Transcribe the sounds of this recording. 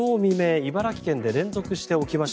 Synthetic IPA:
oːmʲime̞ːibaɾakʲi̥kẽ̞nd̪e̞ɾẽ̞nzo̞kɯ̟ɕi̥t̪e̞o̞kʲimaɕ

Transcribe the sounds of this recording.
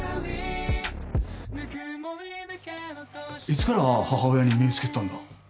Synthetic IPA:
it͡sɨ̥kaɾahaɦaojaɲ̟imʲiot͡sɨ̥ke̞t̪ãnd̪a

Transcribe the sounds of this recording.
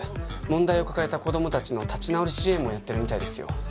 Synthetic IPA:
mõ̞nd̪aio̞kḁkae̞t̪ako̞d̪o̞mo̞t̪at͡ɕino̞t̪at͡ɕinaoɾɯɕiẽmo̞jat̪ːe̞ɾɯ̟mʲit̪aid̪e̞sɨjo̞̰

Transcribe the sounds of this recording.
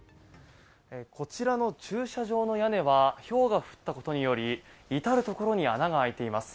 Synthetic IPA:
ekʰo̞t͡ɕiɾano̞t͡ɕɨːɕaʑo̞ːno̞jane̞βaço̞ːɡaɸɯ̟̥t̪ːako̞t̪o̞ɲ̟ijo̞ɾʲiit̪aɾɯ̟t̪o̞ko̞ɾo̞ɲ̟ianaɡaːit̪e̞imasɨ̥

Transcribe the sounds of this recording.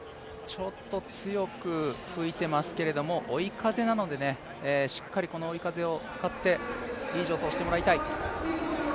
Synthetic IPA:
t͡ɕo̞t̪ːo̞t͡sɨjo̞kɯ̟ɸɯ̟it̪e̞masɨ̥ke̞ɾe̞d̪o̞mo̞ʔoikaze̞nano̞d̪e̞ne̞ː | ɕi̥kːaɾʲiko̞no̞ːikaze̞o̞t͡sɨ̥kat̪ːe̞iːʑo̞ːso̞ːɕi̥t̪emoɾait̪ai

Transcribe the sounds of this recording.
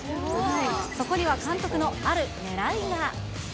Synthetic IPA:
so̞ko̞ɲ̟iβakãnt̪o̞kɯ̟no̞aɾɯ̟neɾaiɡ̪a

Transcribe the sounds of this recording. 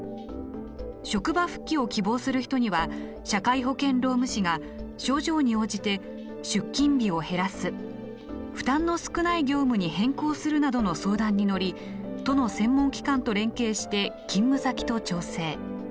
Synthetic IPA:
ɕo̞kɯ̟baɸɯ̟̥kʲːio̞kʲibo̞ːsɨɾɯ̟çi̥t̪o̞ɲ̟iβa | ɕakaiɦo̞kẽ̞nɾo̞ːmɯ̟ɕiɡa | ɕo̞ːʑo̞ːɲ̟io̞ːʑit̪e̞ | ɕɨkʲːĩmbʲio̞he̞ɾasɨ | ɸɯ̟̥t̪ãnːo̞sɨ̥kɯ̟naiɡʲo̞ːmɯ̟ɲ̟ihẽ̞ŋko̞ːsɨɾɯ̟nad̪o̞no̞so̞ːd̪ãɲ̟ːino̞ɾʲi | t̪o̞no̞sẽ̞mːõ̞ŋkʲi̥kãnt̪o̞ɾẽ̞ŋke̞ːɕi̥t̪e̞kʲĩmːɯ̟sakʲi̥t̪o̞t͡ɕo̞ːse̞ː

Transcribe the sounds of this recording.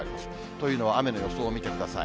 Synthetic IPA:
ɾʲimas | t̪o̞jɯ̟ːno̞βaame̞no̞jo̞soːmʲit̪e̞kɯ̟d̪asa̰ḭ

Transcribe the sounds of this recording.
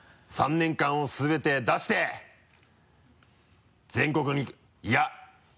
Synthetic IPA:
sãnːẽ̞ŋkãɰ̃o̞sɨbe̞t̪e̞d̪aɕi̥t̪e̞ | d͡zẽ̞ŋko̞kɯ̟ɲ̟i | ja

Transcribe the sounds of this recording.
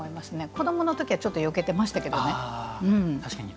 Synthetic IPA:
oimasɨne̞ko̞d̪o̞mo̞no̞t̪o̞kʲiβat͡ɕot̪ːojo̞ke̞t̪e̞maɕi̥t̪ake̞d̪one̞ɯ̟̃ɴt̪aɕkaɲi

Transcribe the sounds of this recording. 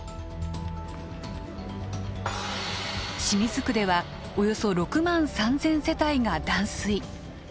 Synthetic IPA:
ɕimʲizɨkɯ̟d̪e̞βa | o̞jo̞so̞ɾo̞kɯ̟mãɰ̃sãnd͡zẽ̞ɰ̃se̞t̪aiŋad̪ãɰ̃sɨi

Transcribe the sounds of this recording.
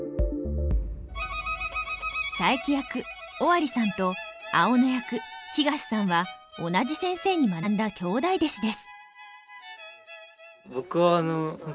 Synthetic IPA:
saikʲijakɯ̟ | oβaɾʲisãnt̪o̞a̰o̞nejakɯ̟çiɡaɕi̥sãɰ̃βaonaʑisẽ̞ɰ̃se̞ːɲ̟imannd̪akʲo̞ːd̪aid̪eɕid̪e̞sɨ̥ | bokɯaːno

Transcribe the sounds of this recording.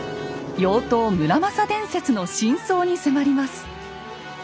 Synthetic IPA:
jo̞ːt̪o̞ːmɯ̟ɾamasad̪ẽ̞ɰ̃se̞t͡sɨno̞ɕĩɰ̃so̞ːɲ̟isemaɾʲimasɨ̥

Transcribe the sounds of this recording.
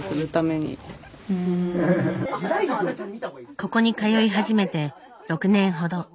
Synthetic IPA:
sɨɾɯ̟t̪ame̞ɲ̟ḭ | ko̞ko̞ɲ̟ikajo̞iɦaʑime̞t̪e̞ | ɾo̞kɯ̟nẽ̞ɰ̃ɦo̞d̪o̞

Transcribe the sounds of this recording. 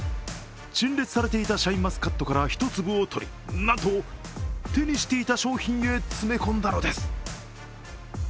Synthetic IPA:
ɕĩnɾe̞t͡sɨ̥saɾe̞t̪e̞it̪aɕaĩmːasɨ̥kat̪ːo̞kaɾaçi̥t̪o̞t͡sɨbɯot̪ʰo̞ɾʲi | nat̪o̞ | t̪e̞ɲ̟iɕi̥t̪e̞it̪aɕo̞ːçĩɰ̃e̞t͡sɨme̞kõnd̪ano̞d̪e̞sɨ̥

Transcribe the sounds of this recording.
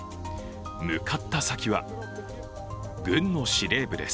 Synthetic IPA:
mɯ̟kʰat̪ːasakʲiβa̰ | ɡɯ̟̃nːo̞ɕiɾe̞ːbɯ̟d̪e̞s

